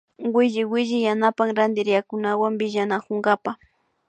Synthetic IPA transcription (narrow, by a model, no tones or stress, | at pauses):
wɪʒɪwɪʒɪjanapaŋɾand̪ɪɾjakʊnawambɪʒanakʊŋɡapa